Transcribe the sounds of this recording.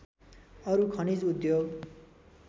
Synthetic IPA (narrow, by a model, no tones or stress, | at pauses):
ʌɾukʰʌnid͡zud̪joɡ